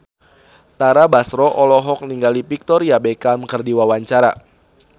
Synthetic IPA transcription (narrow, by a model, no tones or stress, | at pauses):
t̪aɾabasɾɔʔɔlɔɦɔk̚niŋɡalipik̚t̪ɔrjabekamkɨrdiwawaɲt͡ʃaɾa̰